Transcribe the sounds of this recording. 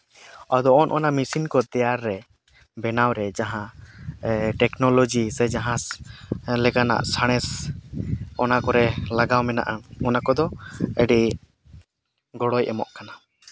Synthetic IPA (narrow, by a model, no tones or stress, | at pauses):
ad̪ɔɔnʔɔnamisinkɔt̪ɛjaɾːɛ | bɛnawɾɛd͡ʒaɦã | ʈɛknɔlɔd͡ʒisɛd͡ʒaɦã | lɛɡana̰ʔsaɽ̃ɛs | ɔnakɔɾɛlaɡawmɛna̰ʔaɔnakɔd̪ɔəɖi | ɡɔɽɔjʔɛ̰mɔ̰ʔkana